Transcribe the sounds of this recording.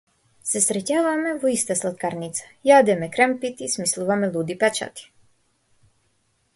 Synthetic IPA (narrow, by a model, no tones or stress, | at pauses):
sɛsɾɛcaːvamɛvɔist̪aslˠat̪kaɾnit̪sḁjad̪ɛmɛkɾɛmpit̪ismislˠuvamɛlˠud̪ipɛt͡ʃa̰t̪i̥